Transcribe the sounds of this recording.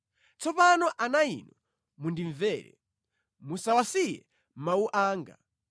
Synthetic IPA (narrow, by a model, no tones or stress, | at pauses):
t͡sɔpanɔʔanaḭnɔ | mundiɱvɛːɾɛ̰ | musawasijɛ̰ | mauʔaːŋɡa̰